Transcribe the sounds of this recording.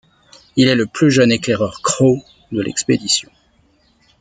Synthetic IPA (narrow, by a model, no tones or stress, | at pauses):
ilɛləplyʒəneklɛʁœʁkχo | d̪əlɛ̰ksped̪isjɔ̃